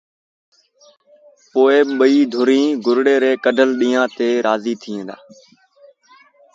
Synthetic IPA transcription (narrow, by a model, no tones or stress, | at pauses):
poːeːɓɓəiːd̪ʱʊɾĩːɡʊɾɽeːɾeːkəɖʱəlɗĩːãːt̪eːɾaːziːt̪ʰiːẽːd̪a̰ː